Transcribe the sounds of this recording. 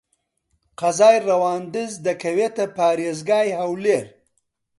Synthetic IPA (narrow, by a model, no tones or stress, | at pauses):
qazɑːjɾawɑːnd̪ɪzd̪akawet̪apɑːɾezɡɑːjhawleɾ